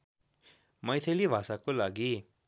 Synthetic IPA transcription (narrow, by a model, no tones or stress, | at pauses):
mʌjt̪ʰelibʱasakolaɡi